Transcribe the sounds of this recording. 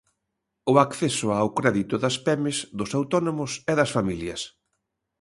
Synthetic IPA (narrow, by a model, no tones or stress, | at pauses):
ʊakθɛsʊawkɾɛðit̪ʊðɐspɛmɪzðʊsawt̪ɔnomʊsɛðɐsfamiljɐs